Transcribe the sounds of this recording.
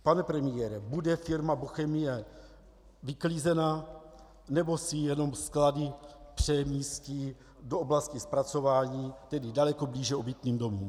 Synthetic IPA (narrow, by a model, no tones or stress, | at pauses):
panɛpɾɛmɪjɛːɾɛbudɛfɪɾmaboxɛmɪjɛ | vɪkliːzɛna | nɛbo̞sɪjɛno̞mskladɪpr̝̥ɛmiːsci | dooblascɪspɾat͡so̞vaːɲiːt̪ɛdɪdalɛko̞bliːʒɛobit̪niːmdo̞muːm